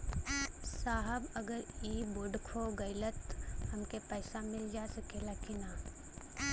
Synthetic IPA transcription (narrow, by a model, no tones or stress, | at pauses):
saːɦəbɐɡəɾiːboɖkʰoɡɐɪlət̪hɐmkepəːsamɪld͡ʒaːsəkelaːkina